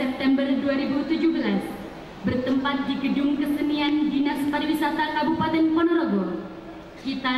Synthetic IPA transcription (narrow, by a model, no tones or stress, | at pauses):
ɛp̚t̪ɛmbərduaɾibut̪ud͡ʒuhbəlas | bərt̪əmpat̪̚diɡədʊmkəsəniandinasp̪aɾiwisat̪akabupat̪ɛnkɔnɔɾɔɡɔr | kit̪a